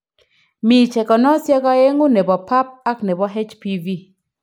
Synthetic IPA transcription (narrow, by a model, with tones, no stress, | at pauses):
mi˨t͡ʃɛ˨kɔ˨nɔ˦sjɛ˦kɔ˦e˦ŋo˦ne˨bɔ˨pa˦p̚a˦kne˨bɔ˨ɦe˦t͡ʃpi˦vi˦